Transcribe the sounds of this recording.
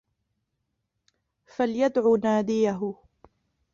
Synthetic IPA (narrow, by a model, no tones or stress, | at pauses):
faljad̪ʕuːnaːd̪ɪjaɦʊ